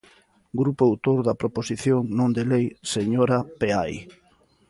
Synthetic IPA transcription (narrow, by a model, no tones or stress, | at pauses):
ɡɾupoawt̪oɾðɐpɾoposiθjoŋnõnd̪elejseɲoɾapeaj